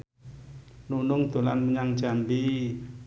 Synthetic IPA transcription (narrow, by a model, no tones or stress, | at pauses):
nunʊŋd̪̥o̤lanməɲaŋ̥d͡ʒ̥ambi